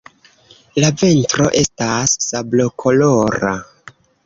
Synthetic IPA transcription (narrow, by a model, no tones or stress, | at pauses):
laventɾo̞ʔe̞stasːablo̞kʰo̞loɾa̰